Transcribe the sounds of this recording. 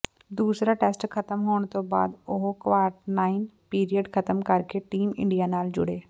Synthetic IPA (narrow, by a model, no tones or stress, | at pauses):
d̪uːsɾaːʈɛːsʈkʰət̪əmɦoːɳ̃t̪oba̰ːd̪ʊɦkʋaːɾʈnaːɪnpiːɾijəɖkʰət̪əmkəɾkeʈiːmɪ̰̃ɳɖijaːnaːld͡ʒʊ̰ɽeː